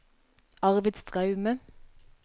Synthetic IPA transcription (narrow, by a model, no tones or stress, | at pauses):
ɑʁʋɪd̪st̪ʰʁɑʉmə